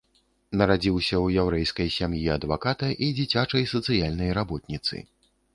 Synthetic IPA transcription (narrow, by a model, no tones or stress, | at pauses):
nɐɾad͡zʲiwsʲɐwjawɾɛjskɐjsʲamjiɐd̪vakat̪ɐʔid͡zʲit͡sʲat͡ʂɐjsɐt̪sɨjalʲnɐjɾabɔt̪̚nʲit̪sɨ̰